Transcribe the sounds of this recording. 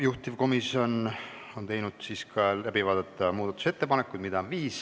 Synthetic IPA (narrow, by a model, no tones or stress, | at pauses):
juht̪ivko̞misio̞n | o̞nt̪e̞jnud̪̥siskʰɑlæbivɑːd̪̥ɑt̪ːˑɑmuːd̪ɑt̪ːˑu̥se̞t̪ːe̞pɑnekːˑud̪̥mid̪ɑonviːs